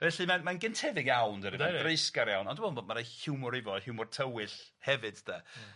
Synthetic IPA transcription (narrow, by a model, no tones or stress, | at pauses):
vɛɬimanmanɡəntʰɛvɪɡjawndəɾɪɔɡrejskaɾjawnɔndəmoːdnboːdmaɾahɪwmʊɾɪvɔhɪwmɔrtʰəwɪɬ | hɛvɨd̥da